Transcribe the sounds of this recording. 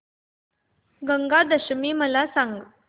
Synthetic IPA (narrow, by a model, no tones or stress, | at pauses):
ɡəŋɡad̪əɕmiːməlasaŋɡ